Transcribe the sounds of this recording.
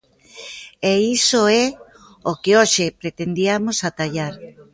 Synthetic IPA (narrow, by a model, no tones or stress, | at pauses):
eisoɛ | okeoʃepɾet̪end̪iamosat̪aʎaɾ